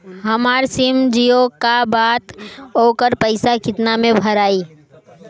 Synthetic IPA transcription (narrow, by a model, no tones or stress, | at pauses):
ɦɐmaːɾsɪmd͡ʒiokabaːt̪ɦoːkəɾpəɪsakɪt̪namẽbʱɐɾaːiː